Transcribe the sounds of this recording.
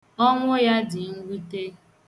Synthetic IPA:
ɔ˦ŋʷʊ˦ja˦dɪ˨ŋ̩˦ɡʷi˦te˦

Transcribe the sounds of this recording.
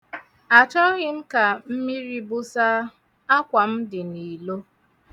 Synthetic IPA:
a˨t͡ʃɔ˦ɣɪ˦m̩˦ka˨m̩˦mi˦ɾi˦bʊ˦sa˦ | a˦kʷa˨m̩˦dɪ˨ni˨lo˦

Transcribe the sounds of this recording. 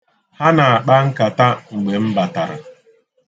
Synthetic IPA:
ha˦na˨a˨k͡pa˦ŋ̩˦ka˨ta˦ŋ͡m̩˨ɡ͡be˨m̩˦ba˨ta˨ɾa̰˨

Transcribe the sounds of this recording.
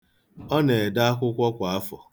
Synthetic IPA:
ɔ˦ne˨da˦a˦kʷʊ˦kʷɔ˦kʷa˨a˦fɔ˨

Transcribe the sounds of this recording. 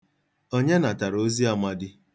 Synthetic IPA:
o˦ɲe˦na˨ta˨ɾo˦zi˦a˨ma˦dɪ˦

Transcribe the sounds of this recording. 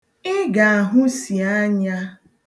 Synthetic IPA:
ɪ˦ɡa˨a˨ɦʊ˦si˨a˦ɲa˦

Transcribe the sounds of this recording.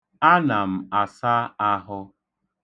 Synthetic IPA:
a˦na˨m̩˨a˨sa˦a˦ɦʊ˦

